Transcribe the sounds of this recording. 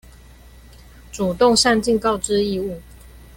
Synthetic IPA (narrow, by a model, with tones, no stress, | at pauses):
ʈ͡ʂu˨˩t̪ʊ˥˨ŋʂa˥˧nt͡ɕi˥˨ŋkɑ˥˨ʊʈ͡ʂɻ̩˦i˥˧u˥˩